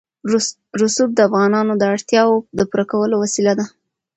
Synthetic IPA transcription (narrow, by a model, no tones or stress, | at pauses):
ɾʊsub̚d̪əafɣɑnɑnod̪əaɽt̪jɑwod̪əpuɾakawəlowasilad̪a